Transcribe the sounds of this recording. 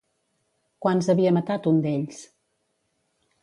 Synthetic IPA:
kwanzəβiəmət̪at̪und̪eʎs

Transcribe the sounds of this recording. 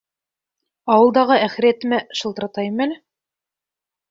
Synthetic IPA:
ɑwɤ̆lˠd̪ɑʁɤæχɘ̆ɾæt̪ɘ̆mæʃɤ̆lˠt̪ɤɾɑt̪ɑjɘmælɘ

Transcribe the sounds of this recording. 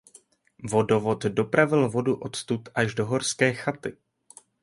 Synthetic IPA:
vo̞do̞vo̞t̪do̞pɾavɪlvo̞duʔo̞t̪st̪ut̪ʔaʒdo̞ɦo̞ɾskɛːxat̪ɪ

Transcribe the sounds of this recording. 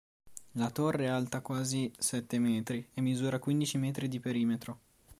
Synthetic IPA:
lat̪orːealt̪akwaːzisɛt̪ːemɛːt̪ɾiemːizuːɾakwind̪it͡ʃimɛːt̪ɾid̪ipeɾiːmet̪ɾo

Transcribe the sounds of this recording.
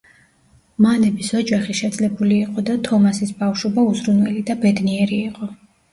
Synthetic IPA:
manɛbisɔd͡ʒaχiʃɛd̪zlɛbuliːqʼɔd̪at̪ʰɔmasisbafʃɔbauzɾunwɛlid̪abɛd̪niɛɾiːqʼɔ

